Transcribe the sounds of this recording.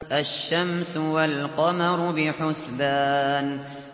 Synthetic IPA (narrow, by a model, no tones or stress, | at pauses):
ʔaʃːamsʊwalqɑmɑɾˤʊbɪħʊsbaːn